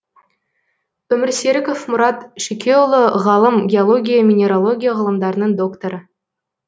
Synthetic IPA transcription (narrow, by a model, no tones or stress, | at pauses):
ɵ̆mʲɘrsʲeɾʲɘkofmuɾɑt̪ʃikʲʰeulˠːoʁɑlˠɤmɡʲeolˠoɡʲijəmʲinʲeɾolˠoɡʲijəʁɤ̆lˠɤ̆md̪ɑɾnɤŋd̪okt̪oɾə